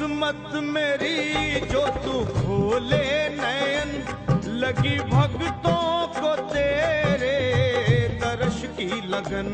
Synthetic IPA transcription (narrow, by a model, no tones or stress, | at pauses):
mət̪meːɾid͡ʒoːt̪ukʰoːlenəjənləɡiːbʱɐɡt̪õkoːt̪eːɾe | d̪əɾəʃkiləɡən